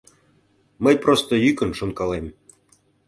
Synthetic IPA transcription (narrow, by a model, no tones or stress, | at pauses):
məjprost̪əjykə̆nʃonkɑlem